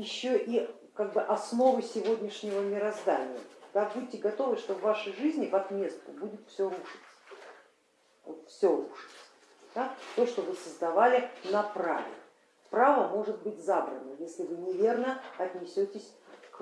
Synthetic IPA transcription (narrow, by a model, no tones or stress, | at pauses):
jɪɕːoʔi | kaɡ̚bɨʔɐsno̞vɨsʲɪvo̞dʲnʲɪʂnʲɪvəmʲɪɾɐzd̪anʲɪjə̰d̪̥abutʲːɪɡɐt̪o̞vɨʂt̪ovːaʂəjʐɨzʲnʲɪvɐt̪mʲe̞st̪ʊbudʲɪt̪fsʲoɾuʂɨtʲ | vot̪fsʲoɾuʂɨ̥tʲ | d̪at̪o̞ʂt̪o̞vɨsəzd̪ɐvalʲɪnɐpɾa̰vʲɪ̰ | pɾavəmo̞ʐɨt̪̚bɨtʲzabɾə̰nəjesʲlʲɪvɨnʲɪvʲe̞rnəɐt̪ʲnʲɪsʲotʲɪsʲk